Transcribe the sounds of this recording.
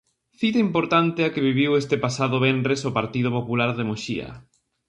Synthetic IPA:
θit̪aimpoɾt̪ant̪ɪakɪβiβiwest̪epasaðoβɛndɾesopaɾt̪iðʊpopulaɾðemoʃiɐ̰

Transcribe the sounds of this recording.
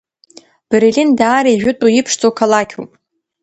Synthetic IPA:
b̥eɾilindaːɾajʒᶣʊtʷʼujipʰʂt͡sʼokʰalakʲʰṵpʼ

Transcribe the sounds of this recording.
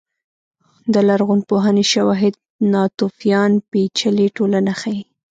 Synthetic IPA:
d̪əlaɾɣunpoɦaneʃawɑɦɪd̪̚ | nɑt̪ufijɑnpet͡ʃəleʈolanaxaji

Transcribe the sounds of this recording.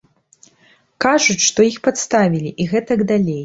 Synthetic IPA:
kaʐut͡sʲʂt̪ɔixpat̪st̪avʲilʲiʔiɣɛt̪ɐɡd̪alʲej

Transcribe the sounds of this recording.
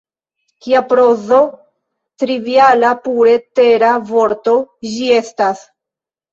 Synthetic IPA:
kiapɾozo̞ | tɾivialapuɾe̞te̞ɾavo̞ɾto̞d͡ʒie̞stas

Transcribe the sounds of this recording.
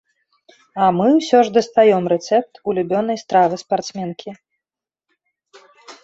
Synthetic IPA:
ɐmɨwsʲɔʐd̪ɐst̪ajɔmrɛt̪sɛp̚t̪ulʲubʲɔnɐjst̪ɾavɨspart̪smʲɛnkʲʰi

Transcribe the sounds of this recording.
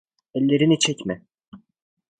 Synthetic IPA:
ɛlʲːe̞ɾinit͡ʃʰɛcmɛ

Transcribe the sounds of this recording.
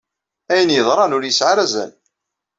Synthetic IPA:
æjənjəðˤɾˤɑnʊɾjəsʕaɾæzæ̰n

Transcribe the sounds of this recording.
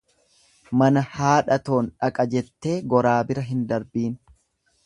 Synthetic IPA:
mɐnɐhaːᶑɐt̪o̞ːnᶑɐkʼɐd͡ʒɛt̪ːe̞ːɡɔɾaːbɪɾɐɦɪnd̪ɐɾbiːn

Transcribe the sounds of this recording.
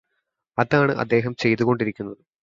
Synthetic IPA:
ɐðaːɳɨʔɐ̰d̪ːe̞ːɦɐmt͡ɕe̞jt̪ːuɣo̞ɳɖiɾikʲːunːɐðɨ

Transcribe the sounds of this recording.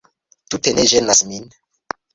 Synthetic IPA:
tuteneʒenasmin

